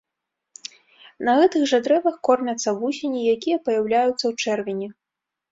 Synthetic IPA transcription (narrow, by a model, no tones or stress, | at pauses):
nɐɣɛt̪ɨɣʐad̪ɾɛvɐxkɔrmʲɐt̪sːɐvusʲenʲijakʲijɐpɐjawlʲajut̪sːɐwt͡ʂɛrvʲɪnʲi